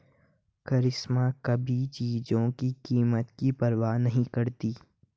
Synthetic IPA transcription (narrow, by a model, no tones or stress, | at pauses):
kɐɾɪsmakɐbʱit͡ʃiːd͡ʒõkikiːmət̪kipɐɾʋaːnɐɦĩkɐɾt̪iː